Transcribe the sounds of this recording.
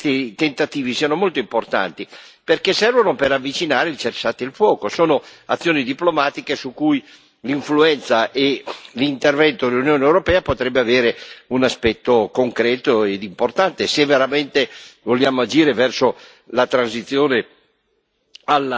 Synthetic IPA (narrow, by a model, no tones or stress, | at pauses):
t̪it̪ent̪at̪iːvisiːanomolt̪oimport̪a̰nt̪iperkesɛrvonopeɾavːit͡ʃinaːɾeilt͡ʃersaːt̪ilfwɔːkosoːnoat̪sːjoːnid̪iplomaːt̪ikesukːuj | liɱfluɛnt̪saʔelint̪ervɛnt̪od̪elːunjoːneewɾopɛːapot̪ɾɛbːeaveːɾeunaspɛt̪ːokoŋkɾɛːt̪oed̪import̪ant̪esevːeɾament̪evoljaːmoad͡ʒiːɾevɛrso | lat̪ɾansit̪sːjoːne | al